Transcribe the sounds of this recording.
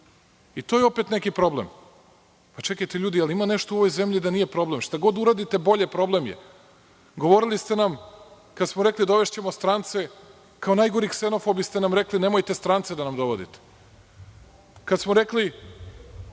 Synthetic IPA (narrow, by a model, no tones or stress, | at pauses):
it̪o̞jeo̞pet̪nekipɾo̞blem | pat͡ʃe̞kajt̪eʎuːd̪ialiimaneʃt̪oo̞ʋojzemʎid̪anije̞pɾo̞blemʃt̪aɡo̞d̪uɾad̪it̪e̞bo̞ʎepɾo̞blemjḛ | ɡo̞ʋo̞ɾilist̪enam | kad̪smoɾeklid̪o̞ʋe̞ʃt͡ɕe̞most̪ɾant̪se | kaonajɡoɾikseno̞fobist̪enamɾeklinemojt̪e̞st̪ɾant̪sed̪anamd̪o̞ʋod̪ḭt̪e̥ | kad̪smoɾe̞kli